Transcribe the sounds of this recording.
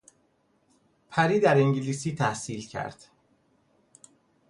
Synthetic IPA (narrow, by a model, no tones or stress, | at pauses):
pʰæɾiːd̪æɾeŋɟiliːsiːt̪ʰæhsiːlcʰæ̰ɾd̪̥